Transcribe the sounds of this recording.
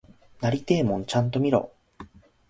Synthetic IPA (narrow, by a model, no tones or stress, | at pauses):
naɾʲit̪e̞ːmõɲt͡ɕãnt̪o̞mʲiɾo̞̰ː